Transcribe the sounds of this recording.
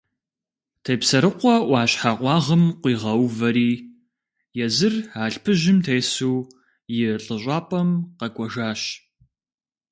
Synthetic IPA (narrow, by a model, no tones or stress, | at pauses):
tʰejpsɐɾɨqʷɔwʷɑːɕħaqʷɑːʁəmqʷiːʁɐwvɐɾiː | jɛzɨraːɬpʰɨʒɪmtʰejsuː | jɪɬʼɨɕʷʼɑːpʼɐmqɐkʷʼɔʒaːɕ